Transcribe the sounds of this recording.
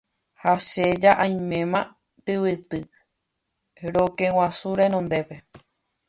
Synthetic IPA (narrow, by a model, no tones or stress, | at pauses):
hased͡ʒaʔãj̃mẽ̞mã | t̪ɨwɨt̪ɨ | ɾokẽw̃asuɾenõnd̪e̞pe̞